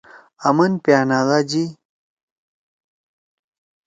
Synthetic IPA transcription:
ɐmɐnpjaːnaːlad͡ʑi

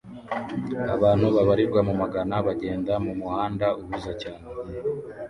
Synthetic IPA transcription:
a̰βaːn̥huβaβaɾiɾɡwamumaɡanaβaɟe̞ːndamumuhaːndaʔuβuzacaːne

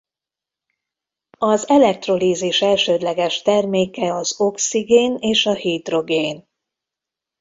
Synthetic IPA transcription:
ɒzɛlɛk̚t̪ro̞liːziʃɛlʃøːd̪lɛɡɛʃt̪ɛrmeːkɛɒzo̞ksiɡeːneːʃɒhiːt̪ro̞ɡeːn

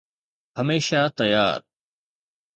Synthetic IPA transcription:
ɦɐmeːʃat̪ɐja̰ːɾ

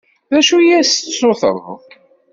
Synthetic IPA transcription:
ðæʃujæst̪sʊθə̰ɾð

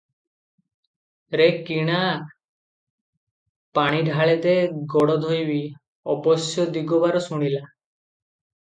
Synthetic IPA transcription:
ɾekiɽ̃a | paɽ̃iɖʱaɭet̪eɡɔɽɔd̪ʱɔjbi | ɔbɔsjɔd̪iɡɔbaɾɔsuɽ̃ila

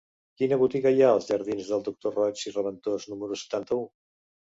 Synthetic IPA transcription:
kinəβut̪iɣəjaəlˠzʒəɾð̞inzðəlˠd̪uk̚t̪orɔt͡ʃirəβənt̪oznuməɾusə̥t̪ant̪əu

